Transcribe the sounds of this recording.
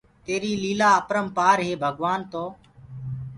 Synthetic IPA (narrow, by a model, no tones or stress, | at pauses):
t̪eːɾiːliːlaːəpɾəmpaːɾɦeːbʱəɡʋaːnt̪oː